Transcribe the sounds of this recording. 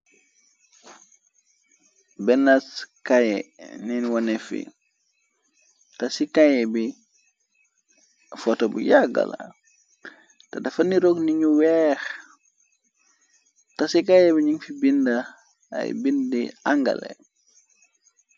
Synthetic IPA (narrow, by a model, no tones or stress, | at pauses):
bɛnaskajɛ̰ninwɔnɛfḭ | tasikajɛbi | fɔtobujaɡa̰la̰ | tadɐfɐniɾɔkniɲuwɛːx | tasikajɛbiɲiŋfibinda | a̰jbindiaŋɡɐ̰lḛ